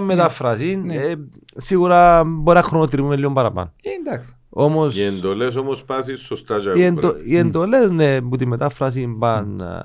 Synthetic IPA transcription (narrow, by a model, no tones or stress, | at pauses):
mːet̪ɐfɾɐsinesiɣuɾɐboɾinɐxɾonot̪ɾimumeliombɐɾɐpɐ̰nod̪ɐ | omosiend̪oles̬omospɐsisːost̪ɐd͡ʒɐienoiend̪olesneput̪imːet̪ɐfɾɐs̬imbɐn